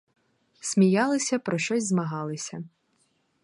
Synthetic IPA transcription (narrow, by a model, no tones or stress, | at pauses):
sʲmʲijɑlˠɪsʲɐpɾʔɔʃt͡ʃɔsʲzmɐɦɑlˠɪsʲɐ